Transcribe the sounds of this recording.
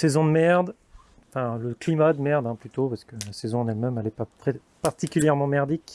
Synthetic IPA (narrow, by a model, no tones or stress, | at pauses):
sezɔ̃d̪əmɛʁd̪ | ɑ̃fɛ̃ləklimad̪əmɛʁd̪ɛ̃plyt̪opaʁskəlasɛzɔ̃ɑ̃nɛlmɛmɛlɛpat̪χɛ | paʁt̪ikʲyljɛʁmɑ̃mɛʁd̪ik